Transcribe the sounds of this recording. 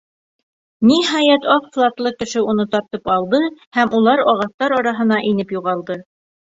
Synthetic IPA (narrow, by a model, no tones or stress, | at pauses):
niɦɑjæt̪ɑqflˠɑt̪lˠɤkɘ̆ʃɘunɤt̪ɑɾt̪ɤpɑlˠd̪ɤhæmʔulˠɑɾɑʁɑθt̪ɑɾɑɾɑɦɤ̆n̪ɑʔinɘpjuʁɑlˠd̪ɤ